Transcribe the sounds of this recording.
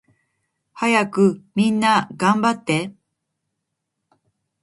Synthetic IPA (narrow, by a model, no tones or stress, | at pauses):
hajakɯ̟mʲĩnːaɡãmbat̪ːe̞